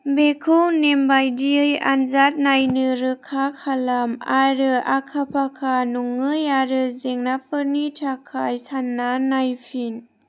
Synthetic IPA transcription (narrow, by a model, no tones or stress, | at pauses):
bekʰɯwnembajdiɯja̰nzat̚najnɯɾɯkʰakʰalamaɾɯakʰapʰakʰanuŋːɯjaɾɯzeŋnapʰɯɾnitʰakʰajsanːanajpʰin